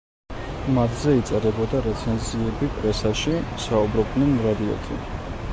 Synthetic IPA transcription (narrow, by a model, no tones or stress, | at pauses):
mat̪ʰzɛit̪sʼɛɾɛbɔd̪aɾɛt̪sʰɛnziɛbipʼɾɛsaʃisaubɾɔb̚d̪nɛnmɾad̪iɔ̰t̪ʼʰḭ